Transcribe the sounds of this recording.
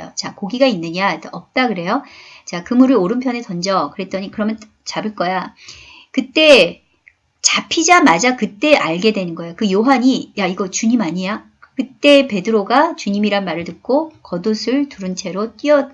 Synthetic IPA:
jo̰t͡ɕakoɡiɡainːɯɲatʌp̚t͈akɯɾe̞jot͡ɕakɯmuɾɯɭoɾɯnpʰjʌne̞tʌnd͡ʑʌkɯɾe̞t͈ʌɲikɯɾʌmjʌn | t͡ɕabɯɭk͈ʌja | kɯt͈e̞ | t͡ɕapʰid͡ʑamad͡ʑakɯt͈e̞ʔaɭɡe̞dwe̞nɯnɡʌejokɯjoɦaɲijaiɡʌt͡ɕuɲimaɲia | kɯt͈e̞pe̞dɯɾoɡat͡ɕuɲimiɾanmaɾɯɭtɯk̚k͈okʌdosʰɯɭtuɾɯnt͡ɕʰe̞ɾot͈iʌ

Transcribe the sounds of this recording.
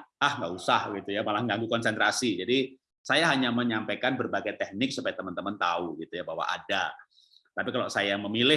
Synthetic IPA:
ahŋɡaʔusahɡit̪ujamalahŋɡaŋɡukɔnsɛnt̪ɾasid͡ʒadi | sajaɦaɲaməɲampajkanbərbaɡajt̪ɛh̚nɪk̚supaɡat̪əmənt̪əmənt̪auɡit̪ujabaɦwa̰ʔa̰da | t̪apikalosajaməmilɪ

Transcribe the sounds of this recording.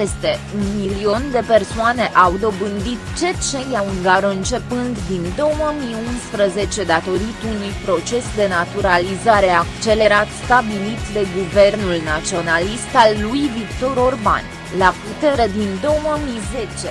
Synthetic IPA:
pe̞st̪e̞unmilio̞nd̪e̞pe̞rsoane̞ʔawd̪o̞bɨnd̪it̪t͡ʃe̞t͡ʃe̞jauŋɡaɾɨnt͡ʃe̞pɨnd̪d̪ind̪o̞wəmiunspɾəze̞t͡ʃe̞d̪at̪o̞ɾit̪unujpɾo̞t͡ʃe̞sd̪e̞nat̪uɾalizaɾe̞akt͡ʃe̞le̞ɾat̪st̪abilit̪d̪e̞ɡuve̞rnulnat̪sio̞nalist̪alːujvikt̪o̞ɾorba̰n | laput̪e̞ɾed̪ind̪o̞wəmize̞t͡ʃe̞

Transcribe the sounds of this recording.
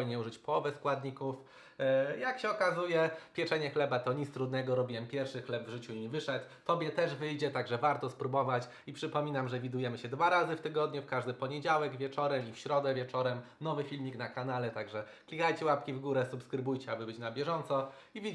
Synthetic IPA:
jɲɛuʐɘt͡ɕpɔwɔvɛskwad̪ɲikuf | jakɕɛɔkazujɛpʲjɛt͡ʂɛɲɛxlɛbat̪ɔɲit̪st̪ɾud̪nɛɡɔɾɔbʲiwɛmpʲjɛɾfʂɘxlɛbvʐɘt͡ɕuiɲivɘʂɛt̪ːɔbʲjɛt̪ɛʐvɘjd͡ʑɛt̪aɡʐɛvaɾt̪ɔspɾubɔvat͡ɕ | ipʂɘpɔmʲinamʐɛvʲid̪ujɛmɘɕɛd̪vaɾazɘft̪ɘɡɔd̪ɲufkaʐd̪ɘpɔɲɛd͡ʑawɛɡvʲjɛt͡ʂɔɾɛmifɕɾɔd̪ɛvʲjɛt͡ʂɔɾɛm | nɔvɘfʲilmʲiknakanalɛt̪aɡʐɛklʲikajt͡ɕɛwapkʲivɡuɾɛsupskɾɘbujt͡ɕɛabɘbɘt͡ɕnabʲjɛʐɔnt̪sɔ | ivʲi

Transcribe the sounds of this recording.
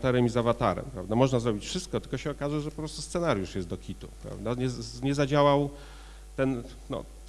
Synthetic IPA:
t̪aɾɘmizavat̪aɾɛ̰mpɾavd̪amɔʐnazɾɔbʲit͡ɕfʂɘst̪̚kɔt̪ɘlkɔɕɛɔkaʐɛʐɛpɔpɾɔst̪ust̪sɛnaɾʲjuʂjɛst̪d̪ɔkʲit̪upɾa̰vd̪aɲɛɲɛzad͡ʑawaw | t̪ɛn | nɔ̰

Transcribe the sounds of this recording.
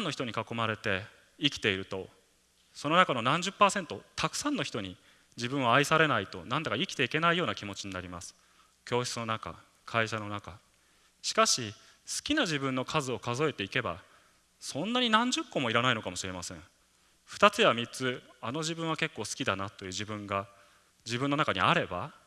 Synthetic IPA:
nːo̞çi̥t̪o̞ɲ̟ikako̞maɾe̞t̪e̞ | ikʲi̥t̪e̞iɾɯ̟t̪o̞ | so̞no̞nakano̞nãɲ̟d͡ʑɨpːaːsẽ̞nt̪o̞t̪akɯ̟̥sãnːo̞çʲi̥t̪o̞ɲ̟i | d͡ʑibɯ̟̃ɰ̃βaːisaɾe̞nait̪o̞̰nãnd̪akaikʲi̥t̪e̞ike̞naijo̞ːnakʲimo̞t͡ɕiɲ̟inaɾʲimasɨ̥ | kʲo̞ːɕt͡sɨno̞naka̰ | kʰaiɕano̞naka | ɕi̥kaɕi | sɨ̥kʲinaʑibɯ̟̃nːo̞kʰazɨo̞kazo̞e̞t̪e̞ike̞ba̰ | sõ̞nːaɲ̟inãɲ̟d͡ʑɨkːo̞mo̞iɾanaino̞kamo̞ɕiɾe̞masẽ̞̰ɴ̃ | ɸɯ̥t̪at͡sɨjβamʲit͡sɨano̞ʑibɯ̟̃ɰ̃β̞ake̞kːo̞ːsɨ̥kʲid̪anat̪o̞jɯ̟ːʑibɯ̟̃ŋɡa | d͡ʑibɯ̟̃nːo̞nakaɲ̟ḭaɾe̞ba̰

